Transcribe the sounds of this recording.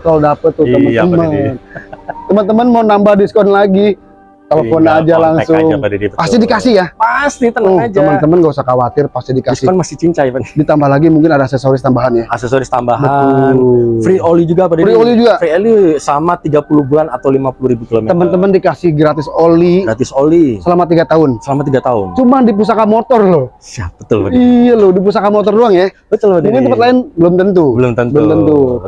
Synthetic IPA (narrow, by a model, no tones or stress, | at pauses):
kalodapət̪ːʊt̪əmənt̪mənt̪əmənt̪əmənmawnambahdiskɔnlaɡi | k̪aləfonad͡ʒalaŋsʊŋdipast̪idikasɪhjapast̪it̪əŋod͡ʒəmənt̪əmənŋɡausakawat̪ɪrpast̪ihdikasɪnmasɪt͡ʃiɲt͡ʃajpadit̪ambahlaɡimuŋkɪnadaːsesoɾis̬t̪ambaɦanjaasɛsoɾist̪ambaɦanfɾiolid͡ʒuɡapadaɾiolid͡ʒuɡafɾiɛlisəlamat̪iɡapuluhbulanat̪awlimapuluɾibukilomɛt̪əmənt̪əməndikasɪhɡɾat̪ɪsoliat̪ɪsolisəlamat̪̬iɡat̪aʊnsəlamat̪iɡat̪aʊnt͡ʃumadip̬us̬akamot̪ɔrlʊhsiap̚bət̪ʊlbəijalʊdip̬us̬akamot̪̬ɔrduaŋjabət̪əlbəmuŋkɪnəpat̪laɪnbəlʊmt̪ənt̪ubəlʊmt̪əntbəlʊmt̪ənt̪u